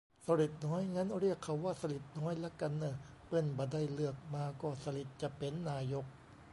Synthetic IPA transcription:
sa˧li˨˩t̪̚nɔː˦˥jŋa˦˥nɾi˥˩əkʰːa˨˧˩wːaː˥˩sa˧li˨˩t̪̚nɔː˦˥jlɛ˦˥ka˧nːɯː˧˩ | pɤ˧˥˩nba˧da˧˥˩jlɯ˥˩ək̚maː˧kɔː˥˩sa˧li˨˩t̪̚t͡ɕa˨˩pe˨nːaː˧jo˦˥k̚

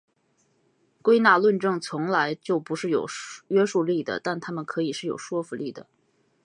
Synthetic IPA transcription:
kwe˥ɪna˥˩lwə˥˧nʈ͡ʂɤ˥˩ŋt͡sʰʊ˧˥ŋla˧˥ɪt͡ɕjo˥˩ʊpu˧˥ʂɻ̩˥˩jo˨˩ʊɥɛ˥ʂu˥˧li˥˩d̪ə̰˩t̪a˥˩nt̪ʰa˥mə˨nkʰɤ˧˥i˨˩ʂɻ̩˥˩jo˨˩ʊʂwɔ˥fu˧li˥˩d̪ə̰˩

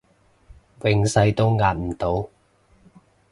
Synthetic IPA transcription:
wɪ˨˧ŋsɐ˧jt̪o˥wŋaː˧t̚m̩˨˩t̪o˨˥w

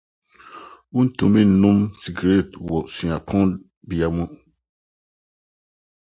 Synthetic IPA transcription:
u˦n̩˦tũ˨mĩ˦n̩˨nũ˦msi˨ɡɾe˦˨twɔ˨sĩ˨a˨pʰɔ̃˦n | bi˨a˨mɔ̃˦

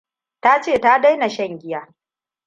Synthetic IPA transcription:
ta˦t͡ʃeː˦˨ta˦da˦jna˨ʃɐ˦˨ŋɡʲɪ˦jaː˦

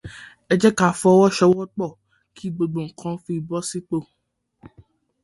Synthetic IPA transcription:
ɛ˨d͡ʒɛ˦ka˨fɔ˨˦wɔ˦ʃɛ˧wɔ˦k͡pɔ˦˨ | kʰi˦˨ɡ͡bo˧ɡ͡bo˨ŋ̩˨kʰɔ̃˦fi˧˦˨bɔ˦si˦k͡po˦˨

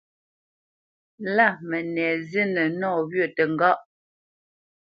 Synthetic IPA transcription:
la˦˨mɛ˨nɛː˨zi˦nə˨nɔː˦˨bɥə˦˨tə˨ŋ˨ɡa˦ʔ

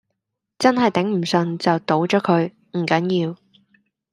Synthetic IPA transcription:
t͡sɐ˥nɦɐ˨jt̪ɪ˨˥ŋm̩˨˩sɵ˨˧nt͡sɐ˨wt̪o˨˥wt͡ʃɔː˨˥kʰɵ˨˧ɥ | m̩˨˩kɐ˨˥njiː˧w

